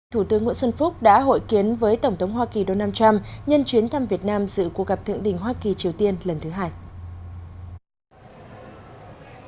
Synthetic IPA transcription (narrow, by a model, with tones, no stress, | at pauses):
t̪ʰu˧˩t̪ɨ˨˦əŋːṵ˧˥˦swə˧nfʊ˦˥k͡p̚ɗa̰ː˧˥ɦo̰˧˨jki˨˦ənvəː˨˦jt̪ə˧˩wŋ͡mt̪ʰə˨˦wŋ͡mhwaː˧ki˨˩ɗo˧naː˧mt͡ɕa˧mɲə˧nt͡ɕwi˨˦nt̪ʰa˧mvi˨˩ət̚naː˧mzɨ̰˧˨ku˨˩k̚ɣa˨˩p̚t̪ʰɨ̰˧˨ŋɗḭ̈˧˩ŋ̟ɦwaː˧ki˨˩t͡ɕi˨˩əwt̪i˧ənlə˨˩nt̪ʰɨ˨˦ɦaː˧j